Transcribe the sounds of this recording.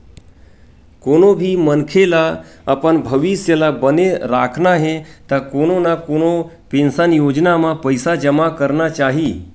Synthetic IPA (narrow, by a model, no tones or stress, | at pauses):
koñobʱiːmənkʰelaapəɳbʱəʋisjəlabəneɾakʰɳaɦet̪əkoɽ̃onakoɽ̃o | pinsanjod͡ʑnamapəjsad͡ʒəmakəɾɳat͡ʃaɦi